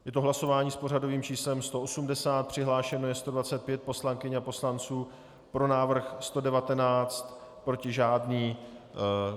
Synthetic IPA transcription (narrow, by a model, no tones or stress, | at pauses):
jɛt̪oɦlaso̞vaːɲiːspo̞r̝ado̞viːmt͡ʃiːslɛmst̪o̞ʔosumdɛsaːt̪̚pr̥ɪɦlaːʃɛnojɛst̪o̞dvat͡sɛt̪̚pjɛt̪̚po̞slaŋkɪɲapo̞slant͡suː | pɾo̞naːvr̩xst̪o̞dɛvat̪ɛnaːt͡st̪pɾo̞cɪʒaːdniː